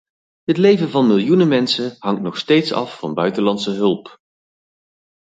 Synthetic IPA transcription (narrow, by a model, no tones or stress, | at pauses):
ɦətlejvənvɑnmɪlˠjunəmɛnsəɦɑŋtnɔχstejtsɑ̰fːɑ̰nbœɥtəlɑnsəɦɵlˠp